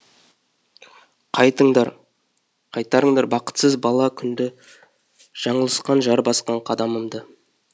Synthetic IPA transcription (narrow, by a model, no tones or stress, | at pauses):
qʰɑjt̪əɴd̪ɑɾ | qʰɑjt̪ɑɾəɴd̪ɑɾbɑqə̥t̪səzbɑlˠɑkʲʰʏnd̪ɪ | ʒ̥ɑɴəlˠəsqɑnʒɑɾbɑsqɑɴqʰɑd̪ɑməmd̪ə